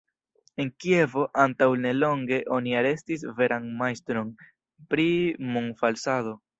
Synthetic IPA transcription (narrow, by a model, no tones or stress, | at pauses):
e̞nkie̞vo̞ʔantawne̞lo̞ŋɡe̞ʔo̞niaɾe̞stis̬ve̞ɾʔanmajstɾo̞n | pɾimuŋfalsado̞